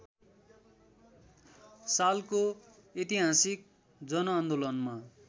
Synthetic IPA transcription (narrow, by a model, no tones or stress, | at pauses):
salko | et̪iɦãsik̚ | d͡zʌnʌand̪olʌnma